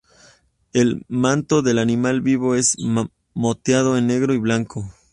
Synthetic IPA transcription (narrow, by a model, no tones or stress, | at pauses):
e̞lmãnt̪o̞ðe̞lanĩmalβiβo̞e̞z | mot̪jað̞o̞enːe̞ɣɾo̞iβlaŋkʰo